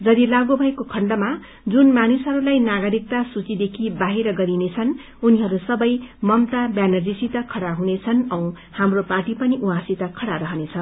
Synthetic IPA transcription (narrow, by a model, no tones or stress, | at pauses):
d͡zʌd̪ilaɡobʱʌekokʰʌɳɖʌma | d͡zunmanusɦʌɾulajnaɡʌɾik̚t̪asut͡sid̪ekʰibaɦeɾʌɡʌɾinet͡sʰʌn | uniɦʌɾusʌbʌjmʌmt̪abjanʌd͡zisit̪ʌkʰʌɽaɦunet͡sʰʌnʌw̃ | hamroparʈipʌniʔũãsit̪akʰʌɽaɾʌɦʌnet͡sʰʌ